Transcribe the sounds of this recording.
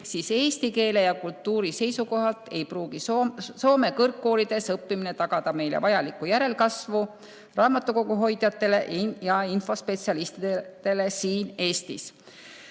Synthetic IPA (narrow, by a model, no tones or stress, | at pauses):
siːse̞ːst̪ike̞ːle̞jɑkult̪ːuːɾise̞jsuko̞ɦɑlt̪ˑe̞jpruːɡ̥iso̞ːme̞kɤrkːo̞ːlid̪̥e̞sɤpːimine̞t̪ɑɡ̥ɑd̪̥ɑme̞jlḛvɑjɑlikːujæɾe̞lkɑsvu | rɑːmɑt̪ːˑuko̞ɡuɦo̞jd̪̥jɑt̪ːe̞le̞ʔjɑinfo̞spe̞t̪siɑlist̪id̪̥e̞le̞siːne̞ːst̪ḭs